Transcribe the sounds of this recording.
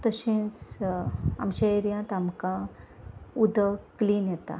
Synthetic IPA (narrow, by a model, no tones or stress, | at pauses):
t̪əɕẽt͡s | a̰mɕaeɾjãt̪amkã | ud̪ʱəkliːnjɛt̪a̰